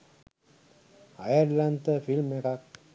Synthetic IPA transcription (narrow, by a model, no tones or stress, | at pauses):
a̰jaɾlant̪əfilmekak̚